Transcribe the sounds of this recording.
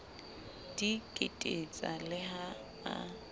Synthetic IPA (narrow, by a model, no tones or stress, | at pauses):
d̥ikʼetʼet͡sʼalɪɦa | a̰